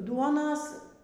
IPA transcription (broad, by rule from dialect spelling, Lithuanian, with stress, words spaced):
ˈduɔnɐs